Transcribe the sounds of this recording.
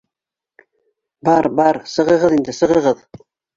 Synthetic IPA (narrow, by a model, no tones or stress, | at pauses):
bɑɾbɑɾsɤ̆ʁɤ̆ʁɤðind̪ɘsɤ̆ʁɤ̆ʁɤð